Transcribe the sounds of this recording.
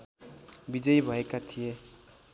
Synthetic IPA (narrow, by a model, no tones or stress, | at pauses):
bid͡zʌjbʱʌekat̪ʰije